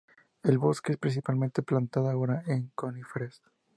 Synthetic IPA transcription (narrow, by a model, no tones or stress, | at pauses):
e̞lβo̞skeespɾins̬ipalment̪eplant̪aðoaoɾaeŋkonifɾes